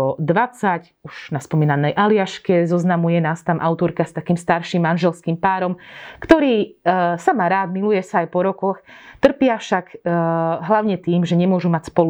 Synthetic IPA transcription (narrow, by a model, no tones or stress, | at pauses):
ɔd̪ʋat͡sac | uʒnaspɔmiːnanɛjʔalɪaʃkɛzɔznamujɛnaːst̪amʔaʊt̪ɔɾkast̪akiːmst̪aɾʃimːanʒɛlskiːmpaːɾɔmkt̪ɔɾiːsamaːɾaːd̪milujɛsaːjpɔɾɔkɔxt̪r̩pɪafʃak | ɦlaʊɲɛt̪iːmʒɛɲɛmʊɔʒumacspɔlu